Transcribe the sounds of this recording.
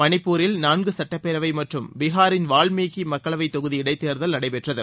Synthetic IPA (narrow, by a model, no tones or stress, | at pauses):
mɐnɪpːuːɾɪlnaːnɡɯsɐʈːɐpːeɾɐʋɐɪmɐʈrɯmbɪɣaːɾɪnʋaːɭmeːɣimɐkːɐɭɐʋɐɪt̪ːɔɣɯðiɪɽɐɪt̪ːeːɾðɐlnɐɽɐɪpɛʈrɐðɯ